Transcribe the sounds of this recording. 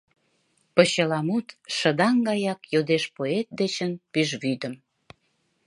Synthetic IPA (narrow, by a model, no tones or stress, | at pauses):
pəɕəlɑmut̪ʃə̆d̪ɑŋɡɑjɑkjod̪eʃpoet̪̚d̪et͡ɕənpyʒβyd̪əm